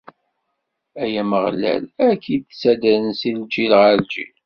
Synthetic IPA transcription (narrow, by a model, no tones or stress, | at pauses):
æjæməʁlæ̰lækʰːid̪sæd̪əɾənsild͡ʒilʁəɾd͡ʒḭl